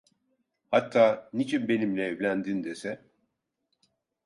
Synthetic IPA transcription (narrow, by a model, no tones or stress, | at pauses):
hat̪ʰːaːnit͡ʃʰinbe̞nimlʲɛːvlʲænd̪ind̪esɛ